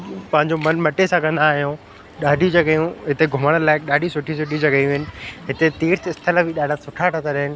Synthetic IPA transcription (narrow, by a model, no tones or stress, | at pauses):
pɐ̃ɦɪ̃ɲd͡ʑomɐnmɐʈesãkɐ̃nd̪aːɦijõ | ɗaːɖʱiud͡ʑɐɠəjũɦɪt̪eɡʱʊməɽ̃əlaːɪk̚ɗaːɖʱisʊʈʰisʊʈʰid͡ʑɐɠəiɪnɪ̆ɦɪt̪et̪eːɾt̪eɪst̪ʰɪlabiɗaːɖʱasʊʈʰaʈʰat̪ʰaɗɐɦɪnɪ̆